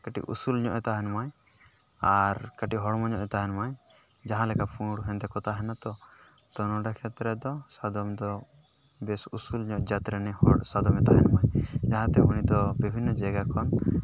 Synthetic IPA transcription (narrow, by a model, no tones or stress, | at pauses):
kəʈḭʔṵsulɲɔ̰ʔɛt̪aɦɛnmaj | aɾkaʈiɦɔɽmɔɲɔʔɛt̪aɦɛnmaj | d͡ʒaɦãlɛkapʰũɽɦɛnt̪ɛkɔt̪aɦɛnat̪ɔ | t̪ɔnɔɖakʰɛt̪ɾɛd̪ɔsad̪ɔmd̪ɔ | bɛsusulɲɔʔd͡ʒat̪ɾɛnɛhɔɽsad̪ɔmɛt̪aɦɛnmajd͡ʒaɦãt̪ɛɦuɽ̃id̪ɔbibʱinːɔd͡ʒɛɡakʰɔn